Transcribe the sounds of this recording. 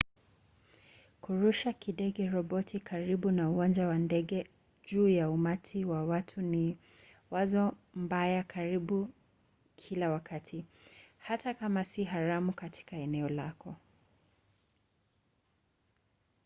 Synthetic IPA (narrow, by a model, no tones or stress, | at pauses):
kuɾuʃakiɗɛɠɛɾɔɓɔtʰikʰaɾiɓunauwand͡ʒawandɛɡɛ | ʄuːjaumatʰiwawatʰuni | wazɔmbajakaɾiɓu | kʰilawakatʰihatakamasiɦaɾamukatʰi̥kaɛnɛɔlakɔ